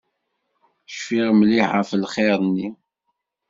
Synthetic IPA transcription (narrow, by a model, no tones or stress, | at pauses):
ʃfiʁmlihəflχeɾˤnːi